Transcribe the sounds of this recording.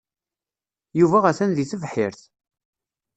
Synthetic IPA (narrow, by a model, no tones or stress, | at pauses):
juvæʁæθænðiθəvħɪɾθ